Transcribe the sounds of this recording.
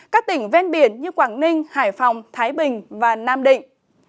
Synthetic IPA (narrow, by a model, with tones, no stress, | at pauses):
kaː˦˥k̚t̪ï˧˩ŋ̟vɛ˧nɓi˧˩ənɲɨ˧kwaː˧˩ŋnï˧ŋ̟haː˧˩jfɔ˨˩wŋ͡mt̪ʰaː˨˦jɓï˨˩ŋ̟vaː˨˩naː˧mɗḭ˧˨ŋ̟